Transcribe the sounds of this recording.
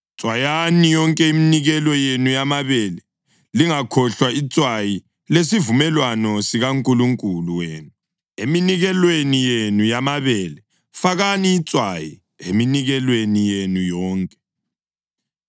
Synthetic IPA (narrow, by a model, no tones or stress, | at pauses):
t͡sʼwajanijɔŋkʼɛiminiɣɛlɔjenujamaβɛlɛ | liŋakʰɔɬwait͡sʼwaji | lesivumɛlwanɔsiɣaŋkʼuluŋkʼuluweːnu | eminiɣɛlwenijenujamaβɛlɛ | faɣaniːt͡sʼwaji | ḛminiɣɛlwenijenujɔːŋkʼɛ̥